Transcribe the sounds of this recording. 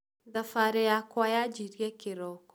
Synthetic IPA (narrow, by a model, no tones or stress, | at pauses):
ðafaɾɛjakwajad͡ʒiɾjɛkɪɾɔkɔ̥